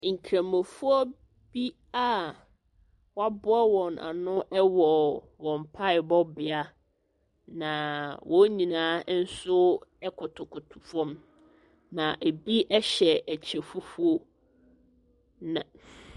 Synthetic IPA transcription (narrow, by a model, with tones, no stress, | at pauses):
ŋ̩˨kʰɾã˨mɔ̃˨fu˦ɔ˦ | b̥i˦ | a˦˨ | wɔ˦a˦bʊ˦a˦wɔ̃˨nʔa̰˨nʊ̃˦ʔɛ˦wɔ˨ | wɔ̃˨m˨pʰa˦ɪ˨bɔ˦bɪ˨a˦ | nã˨wɔ̃˦ɲĩ˨nãː˦n̩˦sʊ˦ɛ˦kʰʊ˨tʰʊ˨kʰʊ˨tʰʊ˨fɔ̃˦m | nã˨ʔe˨bi˦ʔɛ˦ɕɛ˨æ˨t͡ɕʰɛ˨fu˦fu˦o˦ | nã˨